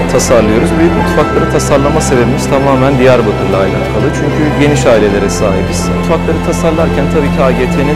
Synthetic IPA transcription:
t̪ʰasaɾlˠɯjo̞ɾuzbilbut̪ʰfaklˠaɾɯt̪ʰasaɾlˠamase̞bebimiz̥t̪ʰamaːmænd̪ijæɾbat̪ʰɯɾlˠaːjla̰nkʰalˠɯt͡ʃʰyɲcʰyɟe̞niʃaːilʲe̞lʲe̞ɾɛsaːɦibisut̪faklˠaɾɯt̪ʰasaɾlˠaɾcʰænt̪ʰabiːcʰiaːɟeːt̪ʰenin

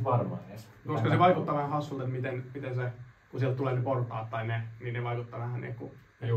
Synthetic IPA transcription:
ʋɑrmɑ̰ies | koskɑseʋɑikut̪ːɑʋæhæhɑsːult̪et̪mit̪enmit̪ensekusiɛlt̪t̪uleːneport̪ɑ̰ːt̪t̪ɑinenineʋɑikut̪ːɑʋæhænnḛːkku

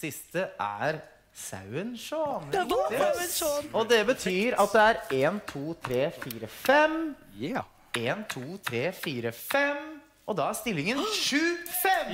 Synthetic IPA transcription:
sɪst̪əʔæ̰ɾ | sa̰ʉənʂɔn | ɔd̪ɛbət̪ʰyːɾɑt̪̚d̪ɛæɾeːnt̪ʰuːt̪ʰɾeːfiːɾəfɛm | eːnt̪ʰuːt̪ʰɾeːfiːɾəfɛm | ʔɔd̪ɑːæst̪ɪlːɪŋənʂʉːfɛm

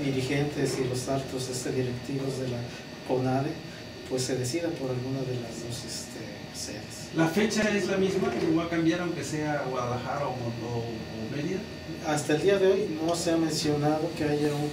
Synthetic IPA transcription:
ðiɾixe̞nt̪e̞silo̞salt̪osest̪eðiɾekt̪iβo̞zðe̞la | konaðe | pwesːe̞ðe̞siðapo̞ɾalɣunaðe̞lazðo̞sest̪ḛ | sḛðeslafe̞t͡ʃaezlamizmaoβakambjaɾaw̃ŋke̞seaɣwaðalaxaɾaomoo | meðja | ast̪aeld̪iaðe̞o̞jno̞se̞amẽ̞nsjo̞nað̞o̞ke̞aʝaun

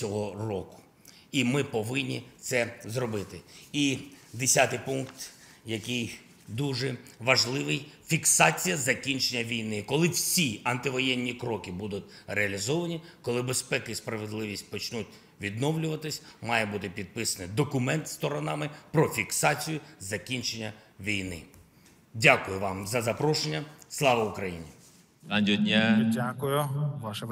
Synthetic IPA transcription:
t͡sʲɔɦɔrɔkʊ̥ | imɪpɔʋɪnʲːit̪sɛzɾɔbɪt̪ɪid̪esʲat̪ɪjpuŋkt̪ | jɐkɪj | d̪uʒɛʋɐʒlˠɪʋɪjfʲiksɑt͡sʲijɐzɐkʲinʲt͡ʃenʲːɐʋʲijnɪkɔlˠɪwsʲiɐnt̪ɪʋɔjɛnʲːikɾɔkɪbud̪ʊt̚ʲreɐlʲizɔʋɐnʲikɔlˠɪbespɛkɪjspɾɐʋed̪lˠɪʋʲisʲt̚ʲpɔt͡ʃnut̚ʲ | ʋʲid̪nɔwlʲʊʋɐt̪ɪsʲmɑjɛbut̪ɪpʲid̪̚pɪsɐnɪd̪ɔkʊmɛnt̪st̪ɔɾɔnɑmɪpɾɔfʲiksɑt͡sʲijʊzɐkʲinʲt͡ʃenʲːɐʋʲijnɪ̰ | dʲakʊjʊʋɑmzɐzɐpɾɔʃenʲːɐslˠɑʋɐʊkɾɐjḭnʲḭ | adʲiɔdʲnʲaakʊjʊʋaʃɐ

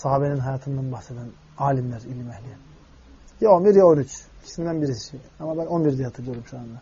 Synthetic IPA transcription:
saɦaːbeninɦajaːt̪ʰɯnd̪anbaxsed̪æn | aːlʲimlʲæɾilʲimɛhlʲijɛ | jaonbiɾjaonyt͡ʃcʰi̥smid̪ænbiɾisʃiamabæno̞nbiɾd̪ijat̪ʰɯɟøɾymʃuand̪a

